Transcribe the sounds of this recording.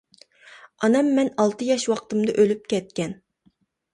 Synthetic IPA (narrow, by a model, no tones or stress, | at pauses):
ɑnɛmːɛnɑlˠt̪ɨjɑʃwɑqt̪ɨmd̪ɑʔølyp̚kʲɛt̪̚kʲɛn